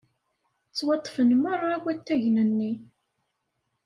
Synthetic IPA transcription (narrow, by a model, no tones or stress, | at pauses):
t͡sːwɑt̪ˤːfənmərˤːɑwæt̪ːæʝnənːi